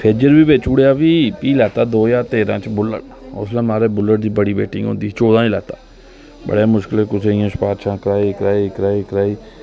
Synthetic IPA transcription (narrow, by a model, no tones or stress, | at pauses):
pʰeːd͡ʒəɾbiːbeːt͡ʃuːɽejaːbiːpiːlɛːt̪aːd̪oːjaːɾt̪eːɾãːt͡ʃbʊlːə̰ɽ | ʊ̰slɛ̃ːmaːɾeːbʊlːəɽd̪iːbəɽiːbeːʈɪ̃ːɦõ̰ːnd̪iːt͡ʃoːd̪ãːilɛːt̪aː | bə̰ɽeːmʊʃkɪlekʊsẽãːspaːɾʃãːkəɾaːikɾaːikɾaːikɾaːiː